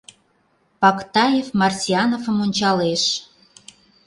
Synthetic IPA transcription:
pɑkt̪ɑjefmɑrsʲiɑnovəmonʲt͡ɕɑleʃ

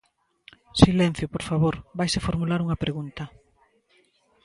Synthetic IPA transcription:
silɛn̟θjʊpoɾfaβoɾbajsefoɾmulaɾuŋɐpɾeɣunt̪ɐ

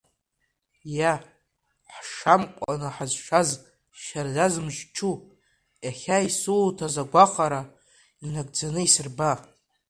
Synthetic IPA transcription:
ja | ħʂamkʷʼa̰nɨħazʃaz | ʃarzazmʒt͡ʃʰu | jaχʲaisultʰazaɡʷaχʼaɾa | inaɡ̚ʼd͡zanɨisɨrba

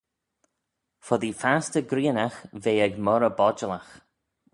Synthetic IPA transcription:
fɔðifastəɡɾiːnaxveːɛɡmɔɾəbɔd͡ʒəlax

